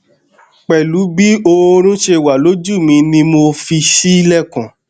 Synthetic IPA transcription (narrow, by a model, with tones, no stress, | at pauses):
k͡pɛ˨lu˨˦bi˦o˧ɾ̃ũ˦ʃe˧wa˨lo˨˦d͡ʒu˦˨mĩ˧nĩ˧mo˧fi˧ʃi˦i˦lɛ˦˨kã˨